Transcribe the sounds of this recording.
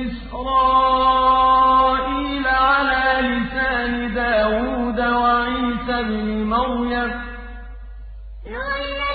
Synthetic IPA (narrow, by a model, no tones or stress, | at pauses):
ʔɪs | ɾɑː | ʔiːlaʕalaːlɪsaːnɪd̪aːwuːd̪awaʕiːsabnɪmawja